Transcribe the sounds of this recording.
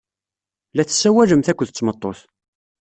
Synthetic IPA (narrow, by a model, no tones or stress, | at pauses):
læθsːæwæʒəmθækʷːəðət͡sːmət̪ˤːoθ